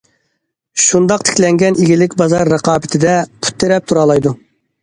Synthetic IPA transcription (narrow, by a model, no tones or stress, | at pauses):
ʃund̪ɑq̚t̪ʰɪ̥kʲlɛŋɡʲɛnʔiɡʲilɪkʲbɑzɑɾːɑqʰɑːbɪt̪ʰɪd̪ɛpʰu̥t̪ʰːeɾɛp̚t̪ʰuɾɑːlˠɑjd̪u